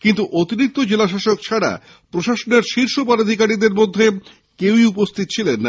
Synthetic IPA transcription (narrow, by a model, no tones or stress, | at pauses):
kint̪uʔot̪iɾik̚t̪od͡ʑelaʃaʃok̚t͡ɕʰaɽa̰ | pɾoʃaʃoneɾʃiɾʃopaɾad̪ʱikaɾid̪eɾmod̪ʱːe | kewiupost̪ʰit̪ot͡ɕʰilenː